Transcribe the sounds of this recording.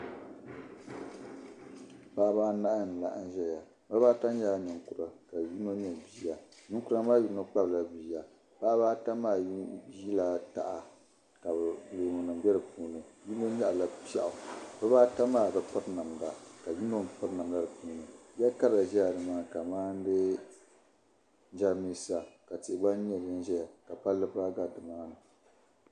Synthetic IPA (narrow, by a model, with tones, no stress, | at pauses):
paː˦baː˦na˦ʔa˦n̩˨la˨ʔn˦ʒɛ˦ja˨ | ba˦βaː˦ta˦ɲɛ˦a˨ɲɛ˨ŋkʊ˨ɾa˨ka˨ji˦no˦ɲɛ˦˨biː˨˦˨ja˨ɲɛ˦ŋ˦ku˦ɾa˦maː˦ji˦no˦k͡pa˦bla˦biː˨ja˨ | pa˦baː˦ta˦maː˦˨jii˦la˦ta̰˨ʔa˨ | ka˨blo˨ŋo˨nɨ˨mbɛ˦ɾɨ˨puː˦nɨ˨ji˦no˦ɲa˦ʔla˨pa̰˦ʔʊ˨bɛ˦baː˦ta˦maː˦˨bɛ˦k͡pʊ˦ɾna˨mda˨ka˨ji˦no˦nk͡pʊ˦ɾna˨mla˦dɨ˨puː˦nɨ˨jɛ˦ka˦ɾa˨ʒɛ˦ja˨dɨ˨maː˦ka˨maː˦n˦dɨ˦ | d͡ʒa˦mi˦sa˨ka˨ti˨ʔɡ͡ba˦n˦ɲ˦ɛ˦˨ɛ˦n˦ʒɛ˦ja˨ka˨pa˦lːɨ˦ba˦ɡa˦dɨ˨maː˦nɨ˨